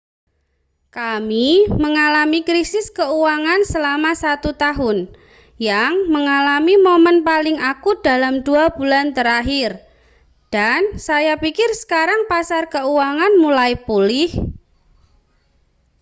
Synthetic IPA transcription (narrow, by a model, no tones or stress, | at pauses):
kamiməŋalamikɾisɪskəuwaŋansəlamasat̪ut̪aɦʊn | jaŋməŋalamimomənpalɪŋakud̥a̤lamduab̥ulant̪əɾaɦɪr | d̥ansajapikɪrsə̥kaɾaŋpasarkəuwaŋanmulaipulɪh